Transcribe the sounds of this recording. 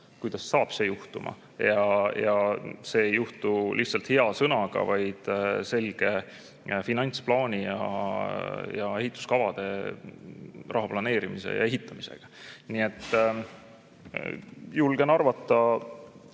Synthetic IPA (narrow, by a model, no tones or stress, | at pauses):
kujd̪̥ɑsːɑːb̥se̞juht̪umʔɑ̰ | jɑjɑse̞juht̪ulʔiht̪sɑlt̪he̞ɑsɤnɑɡ̥ɑ̰vɑjd̪̥se̞lɡ̥e̞ | finɑnʲt̪splɑːnʲijɑ̰ | jɑe̞ɦit̪ːˑu̥skɑvɑd̪̥e̞ | rʔɑɦɑplɑne̞ːɾimise̞̰jɑ̰e̞ɦit̪ːˑɑmise̞̰ɡ̥ɑnie̞t̪ːˑ | julɡ̥e̞nɑrvɑt̪ˑːɑ